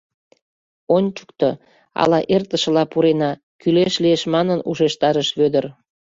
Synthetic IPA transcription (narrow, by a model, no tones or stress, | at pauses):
onʲt͡ɕu̥kt̪o | ɑ̰lɑʔert̪əʃə̆lɑpuɾenɑ | kyleʃlieʃmɑnənuʃeʃt̪ɑɾəʃβød̪ər